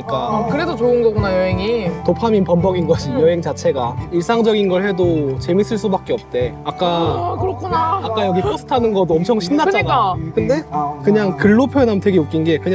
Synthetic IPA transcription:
ik͈akɯɾe̞dot͡ɕoɯnɡʌɡunajʌɦe̞ŋitopʰaminpʌmbʌɡinɡʌɕʰijʌɦe̞ŋt͡ɕat͡ɕʰe̞ɡaiɭs͈aŋd͡ʑʌɡinɡʌɭhe̞dot͡ɕe̞mis͈ɯɭs͈ubak͈eʌp̚t͈e̞ | ak͈akɯɾʌkʰunaak͈ajʌɡikʰos͈ʰɯ̥tʰanɯnɡʌdoʌmt͡ɕʰʌŋɕʰimnːat͡ɕ͈anakɯnde̞kɯɲaŋkɯɭːopʰjonamtwe̞ɡeok͈̚inɡe̞kɯɲa

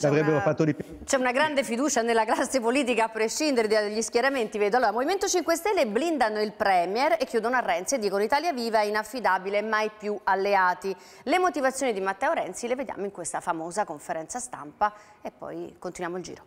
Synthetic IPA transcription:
avɾɛbːeɾofat̪ːod̪ip | t͡ʃɛunaɡɾand̪efid̪uːt͡ʃanelːaklasːepoliːt̪̬ikaːpːɾeʃːind̪eɾed̪ʎːiskjaɾament̪ivɛːd̪oaloːɾamoviment̪ot͡ʃiŋkwest̪ɛlːeblind̪anoilpɾɛːmjɛrekːjuːd̪onoarːɛnt̪sied̪ːiːkonoit̪aːljaviːvainafːid̪aːbilemːajpjualːeaːt̪i | lemot̪ivat̪sːjoːnid̪imat̪ːɛoɾɛnt̪sileved̪ja̰ːmoiŋkwest̪afamoːzakoɱfeɾɛnt̪sast̪a̰mpa | epːɔ̰jkont̪inwjaːmoild͡ʒḭːɾo

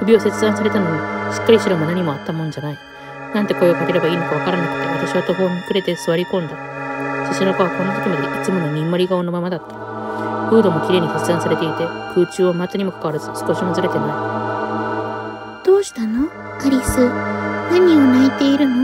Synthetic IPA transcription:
kɯ̟bʲio̞se̞t͡sɨd̪ãsaɾe̞t̪anoɡaɕi̥kːaɾʲiɕiɾamonaɲ̟imo̞at̪ːamõ̞ɲd͡ʑanai | nãnt̪e̞ko̞eokake̞ɾe̞baiːno̞kaβ̞akaɾanakɯ̟t̪ːeβat̪aɕiβat̪o̞ɦo̞ːɲʲikɯɾe̞t̪e̞sɨβaɾʲikõ̞nd̪a | t͡ɕiɕinokoβako̞nːat̪okʲind̪eʔit͡sɨmo̞no̞mʲimːoɾʲiɡaoːno̞mamad̪at̪ːḁ | ɸɯ̟ːd̪o̞mo̞kʲiɾe̞ːɲ̟iset͡sɨd̪ãsaɾe̞t̪e̞it̪e̞kʰɯ̟ːt͡ɕɨːβomat̪ːɨɲ̟imo̞kḁkaβaɾazɨsɨ̥ko̞ɕimazɨɾe̞t̪e̞nai | d̪̥o̞ːɕi̥t̪ano̞ | aɾʲisɨnaɲ̟iɲʲiːt̪e̞iɾɯ̟no

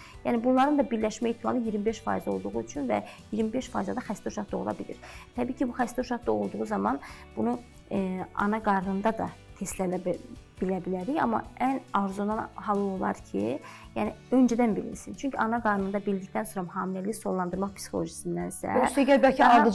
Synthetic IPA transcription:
jæːnibunlˠɑɾɯnd̪ɑbiɾlæʃmæjiht̪ʰːimɑ̰lˠɯjiɾmibe̞ʃfɑ̰ːizo̞̰lˠd̪uʁuyt͡ʃʰynvæ̰jiɾmibe̞ʃfɑːjizɑd̪ɑxæst̪oʃɑt̪d̪o̞̰ulˠɑ̰bilḭɾ̥t̪ʰæbiːcʰibuxæst̪oʃɑt̪̚d̪ɑo̞lˠd̪uʁuzɑmɑnbunu | ɑ̰nɑɡɑɾnɯnd̪ɑd̪ɑ̰t̪ʰest̪lælb̥ilæbilæɾiçɑ̰mːɑ̰ʔænɑɾzonɑnhɑlˠːɯolˠɑ̰ɾcʰḭ | jæːniø̞nd͡ʒæd̪ænbilḭɾsint͡ʃʰyɲcʰiɑnɑɡɑɾnɯnd̪ɑbild̪ict̪ænso̞ɾɑmɦɑːmilæliso̞lˠːɑnd̪ɯɾmɑχpʰsi̥xo̞lˠo̞ʒisind̪ænsæ̰seɡʲæɾbælʲcʰiɑɾɯ

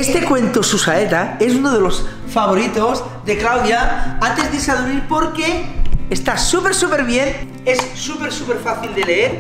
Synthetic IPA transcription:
est̪e̞kwe̞nt̪osusaet̪ae̞s̬unoð̞e̞lo̞s | faβoɾit̪oz | d̪e̞klawðjaant̪e̞zðesaðuɾiɾpo̞ɾkeest̪asupe̞ɾsupe̞ɾβ̞je̞n | e̞sːupe̞ɾsupeɾfaθild̪e̞le̞eɾ

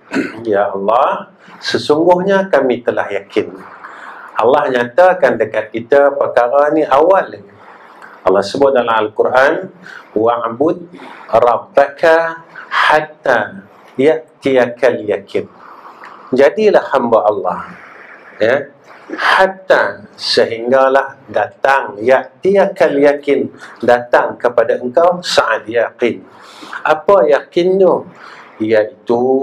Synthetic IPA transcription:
jaɑlːɑh | səsuŋɡʊhɲakamĩt̪əlahjakʰɪn | ɑlːɑhɲat̪akandəkat̪̚kit̪apərkaɾaniʔawal | ɑlːɑsəbʊt̪̚dalamalkurʔanwaʕbʊt̪̚rɑbakʰahat̪a | jaʔt̪iakaljakʰɪn | d͡ʒadilahhambaʔɑlːɑh | ja | hat̪asəɦiŋɡalahdat̪aŋjaʔt̪iakaljakɪndat̪aŋkəpadaəŋkawsaʔat̪̚jaqɪn | ʔapajakɪnjo | jaʔit̪u

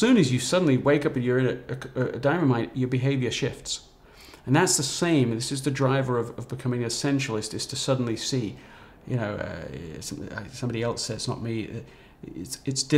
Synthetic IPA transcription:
sʉ̃nɨzjɨsʌdⁿn̩liweɪkʌpɨ̃njə˞ɨ̃nɨɨədãɪ̃m̃mãɪ̃njə˞bɨɦeɪvjə˞ʃɪfts | ɨ̃nðætsðəsẽɪ̃mðɪsɨzðɨdɹaɪvə˞ʌvʌvbɨkʰʌmɪ̃ŋɨsɛ̃nt͡ʃl̩ˠɨstɨz̥tʰɨsʌdⁿn̩lisi | jɨ̰noʊʌ̰sʌ̰̃a̰ɪsʌ̃mbɑɾiɛlˠsɛɨsnə̰t̚mi | ɪ̰tstsd̥ɪ

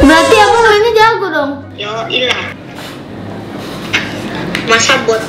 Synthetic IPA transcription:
bəɾat̪iamunainid͡ʒaɡudɔŋ | jɔila | masabɔt̪

